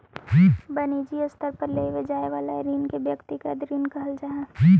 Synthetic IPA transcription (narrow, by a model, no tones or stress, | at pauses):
d͡ʒiːbɐnid͡ʒiʊst̪əɾpɐɾleːiʋed͡ʒaːeʋaːlaeɾiːnkebjɐkt̪ikad̪ɾiːnkɐɦəld͡ʒaːɦɛd͡ʒiː